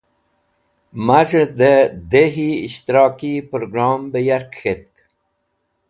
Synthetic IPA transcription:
maʐəd̪əd̪eɦiiɕt̪iɾɑːkipɾoɡɾɑːmbəjaɾkxet̪̚k

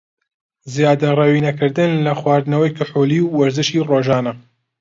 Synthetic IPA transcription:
zijaːd̪ɐrɛwiːnɐkɨɾd̪ɨnlɐxwɑːɾd̪ɨnɐwɐjkɨħuːliːwːɐɾzɨʃiːroːʒɑːnɐ

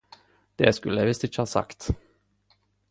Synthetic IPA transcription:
d̪̥eːskʉlːəjæʋɪst̪ɪçəhɑːsɑ̰kt̪

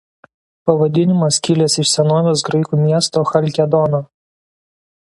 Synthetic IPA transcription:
pɐʋɐd̪ʲɪnʲɪmɐskʲɪlʲɛsɪʃsʲɛnoːʋʲoːs̬ɡɾɐɪkuːmʲiɛst̪oːxɐlʲkʲɛd̪ɔnoː

